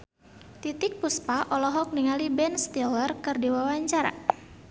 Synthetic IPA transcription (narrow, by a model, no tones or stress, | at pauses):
t̪it̪ɪk̚puspaʔɔlɔɦɔk̚niŋalibɛnst̪ilərkɨrdiwawaɲt͡ʃaɾa̰